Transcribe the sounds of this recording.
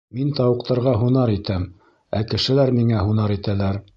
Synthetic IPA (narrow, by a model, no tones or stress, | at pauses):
mint̪ɑwɤ̆qt̪ɑɾʁɑɦunɑɾit̪æm | ækɘ̆ʃɘ̆læɾmiŋæɦunɑɾit̪ælæɾ